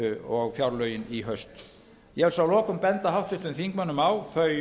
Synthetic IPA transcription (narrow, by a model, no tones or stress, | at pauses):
ʏɔɣfjawɾlœɥjɪniɦœɥst̪ | jɛvɛlsawlɔːkʏmpɛnt̪ahawht̪ʏht̪vʏnfiŋkmanːʏmawθœɥ